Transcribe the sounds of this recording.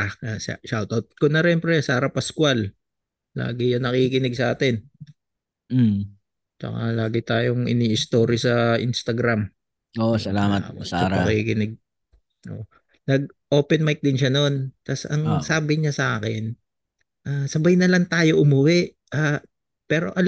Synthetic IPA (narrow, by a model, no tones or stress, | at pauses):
asʃawt̪awt̪̚kʊnɐʃɛmpɾɛsaːɾɐpɐskwalː | a̰ːɡɪjɐŋnɐkikɪnɪɡ̚sʔaːt̪ɛn | t͡ʃɐ̰ka̰laːɡɪt̪aːjoŋɪ̰niːʔɪst̪o̞ːɾisɐʔḭnst̪ɐɡɾam | osɐlamɐtaaɾpɐ̰kikɪnɪɡ̚ | ʔo̰ʔ | nɐɡ̚ʔo̞ːpɛnmajk̚d̪ɪnʃ̬ano̞nt̪ɐsɐŋsaːbɪɲasɐʔa̰ːkɛn | ʔasɐbajnɐlɐŋt̪aːjo̞ʔʊmʊwɪʔ | ʔaː | pɛːɾo̞̰ʔɐ